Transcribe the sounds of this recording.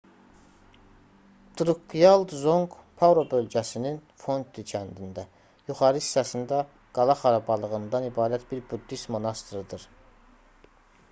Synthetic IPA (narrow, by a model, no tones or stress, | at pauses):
d̪̥ɾukːijɑlˠd̪zoŋɡpʰɑvɾo̞bø̞lɟæsininfo̞nt̪ʰicʰænd̪ind̪æ | juχɑɾɯsi̥sːæsind̪æ | ɡ̥ɑlˠɑχɑɾɑbɑlˠɯʁɯnd̪ɑnibɑːɾæt̪biɾbud̪ːist̪mo̞nɑst̪ɾɯd̪ɯɾ